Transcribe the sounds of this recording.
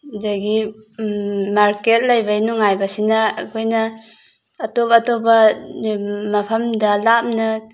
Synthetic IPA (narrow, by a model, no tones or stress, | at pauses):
zaɡi | maɾket̚lɐjbajnuŋajbɐsinaːkʰojnɐː | tobaːtobɐ | mɐpʰɐmdɐlap̚nɐ